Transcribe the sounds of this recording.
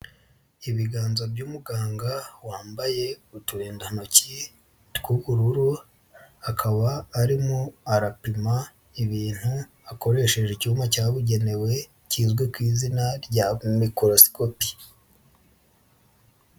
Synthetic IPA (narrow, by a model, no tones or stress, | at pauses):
iβiɡaːnzobɟuːmuɡaːŋɡawaːmbaje̞utuɾeːndahanoci | tkuβuɾuɾu | akʰaβaːɾimoaɾapima | iβiːn̥hu | ako̞ɾe̞ʃe̞ʒecumacaːβuɟe̞ne̞we̞ | ciːzɡwekwiːzinaɾɟamikoɾosi̥kopi̥